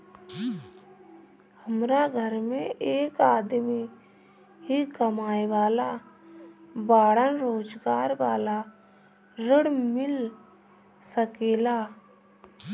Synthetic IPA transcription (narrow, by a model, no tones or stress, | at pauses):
həmɾaɡʱəɾmẽeːkaːd̪mi | ɦikəmaːjʋaːla | baːɽənɾoːd͡ʒɡaːɾʋaːla | ɾɪɽmɪl | səkeːlaː